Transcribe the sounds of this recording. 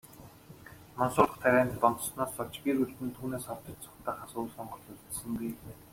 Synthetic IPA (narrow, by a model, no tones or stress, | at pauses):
mɔnsʊːɮə̆χt̪ʰæɣʲæːnt̪ɔnt̪̆snaːsːɔt͡ɕɡʲiɾuɮt̪ɘ̆nt̪ʰuːneːsχɔt̪ɞ̆t͡ɕt͡sʊ̥kt̪aːχaːsuːɮsɔɴɢɞ̆ɮɮə̆t̪t͡ɕsɘ̆ŋɡuj